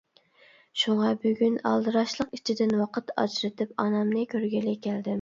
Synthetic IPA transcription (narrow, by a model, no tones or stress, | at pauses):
ʃuŋɑbøɡʲynɑ̰lˠd̪ɨɾɑʃlˠəqit͡ʃʰid̪ɪnwɑqʰət̪ɑ̰d͡ʒɾɨt̪ʰɪpɑnɑmnɨkʲʰøɾɡʲilɪkʲʰæld̪ɪm